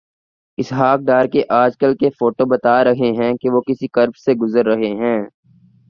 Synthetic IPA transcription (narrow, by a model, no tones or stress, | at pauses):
ɪsɦaːk̚ɖaːɾkeʔaːd͡ʒkəlkefoːʈobɐt̪aːɾɐɦeɦɛ̃keʋokɪsikɐɾbseɡʊzəɾːɐɦeɦɛ̃ː